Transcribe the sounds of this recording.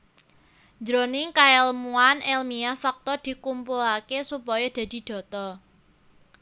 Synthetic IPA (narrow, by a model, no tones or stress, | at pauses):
d͡ʒɾonɪŋkaɛlmuanʔɛlmiafak̚t̪ɔd̪̥i̤kumpulakesupɔjɔd̪̥a̤d̪̥i̤d̪̥ɔ̤t̪ɔ